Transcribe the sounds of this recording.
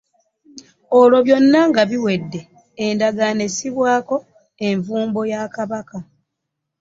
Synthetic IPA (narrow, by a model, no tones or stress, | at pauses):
olo̞βjo̞nːaŋɡaβiwe̞dːe̞ | endaɡanesiβwaːko̞ | eɱvuːmbo̞jakaβaka